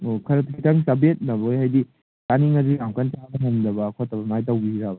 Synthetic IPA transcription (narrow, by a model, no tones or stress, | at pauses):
okʰɐɾɐtkʰitʰɐŋsɐbet̚nɐbojhajdi | taniŋɐziɾamkant͡ʃabɐɦeŋdɐbɐkʰotːɐbɐmajtɐwbizabɐ